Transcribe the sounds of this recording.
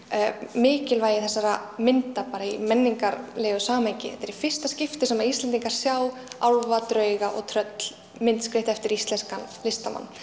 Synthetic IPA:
mɪːcɪlvaːjɪθɛsːaɾamɪnt̪apaːɾaimɛnːiŋkaɾleːɣʏsaːmajcɪ̰ɛ̰t̪ɛɾifɪr̥st̪ascɪft̪ɪsɛmaist̪ɛnt̪̬iŋkaɾ̥sjaːwawlvat̪ɾœːɥɣaʔɔ̰ɣt̪ʰɾœt̪l̥ | mɪnt̪skɾɪht̪ɛft̪ɪɾist̪lɛnskanlɪst̪ama̰nː

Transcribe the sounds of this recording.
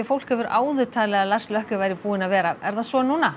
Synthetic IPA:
ɛfowl̥khɛvʏɾʔaːwðʏt̪ʰaːlɛːɣalar̥slœhkʏvajɾɪpuːɪnavɛːɾaɛɾ̥θasɔːnːuːna

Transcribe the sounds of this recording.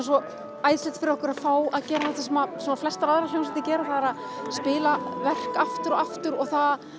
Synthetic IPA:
s̬ɔ | aːjðslɛt̪fɪɾɪɾɔhkʏɾaðfaːwaðcɛːɾaθat̪vɪsɛmasuːnːaflɛst̪aɾaðɾaloːwnsɛt̪ɪcɛːɾʏθaðaɾað | spɪːlavɛr̥kaft̪ʏɾɔaft̪ʏɾɔɣθað

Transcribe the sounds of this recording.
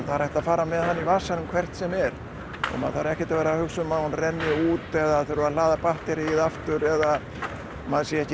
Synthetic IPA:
θaɾajht̪afaːɾamɛðhanːivaːsanʏmkʰvɛr̥t̪sɛmɛɾ | ɔ̰ma̰ðθaɾɛhcɛ̥t̪avɛːɾahʏksʏmaːwnrɛnːjʏuːt̪ɛðaθœɾʏɾalaːðapaht̪ɪɾɪiðaft̪ʏɾɛða | maðsjɛɛhcɪ

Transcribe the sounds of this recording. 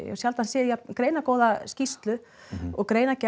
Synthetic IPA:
ɛ̰sjalt̪ansɪːðjakɾeːjnakoːwðascist̪lʏ | ɔɣkɾeːjnaca

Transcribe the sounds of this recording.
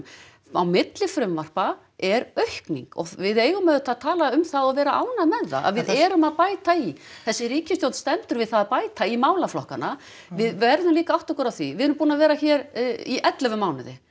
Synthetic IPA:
awmɪt̪lɪfɾʏmvar̥pa | ɛɾœɥhknḭŋkɔ̰vɪðeːjɣʏmɛðʏt̪ʰaðt̪ʰaːlaʏmθaðɔðvɛːɾaʔa̰wnaðmɛðːa̰ʔa̰ðvɪðɛːɾʏmaðpaːjt̪aiθɛsːɪɾiːcɪst̪jowlst̪ɛmnt̪ʏɾvɪðθaðapaːjt̪aimaːwlaflɔhkana | vɪðvɛɾðʏmliːkaawht̪ɔkʏɾawθivɪðɛɾmpuːnavɛːɾaçɛːɾiʔɛt̪lɛœvʏmaːwnɪðɪ̰

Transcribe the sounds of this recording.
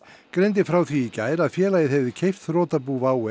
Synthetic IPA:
kɾejnt̪̬ɪfɾaːwθiːcaːjɾaðfjɛːlajɪðɦɛvðɪcʰejft̪rɔːt̪apuːvaːwɛ

